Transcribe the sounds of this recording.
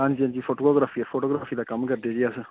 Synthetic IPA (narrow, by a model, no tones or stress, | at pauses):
ãːnd͡ʒiãnd͡ʒiːpʰoːʈoːɡoːɡɾaːfʰiːpʰoːʈoːɡɾaːfʰiːd̪aːkɐmkəɾd̪ed͡ʒɪaːsə